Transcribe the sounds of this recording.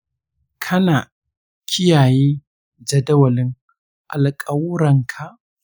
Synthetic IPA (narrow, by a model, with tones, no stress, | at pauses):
kʰɐ˦naː˨ | kʲʰɪ˦jaː˨jiː˦ | d͡ʒɐ˨dɐ˦wɐ˨lɪ˦ŋ | ʔa̰˨lkʼɐ˦wɾɐ˨ŋkʰa˨ʔ